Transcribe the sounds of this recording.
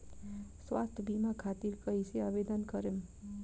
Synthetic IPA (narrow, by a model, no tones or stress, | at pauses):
swa̰st̪ʰbimakʰat̪iɾkʌɦiseabed̪ənkʌɾem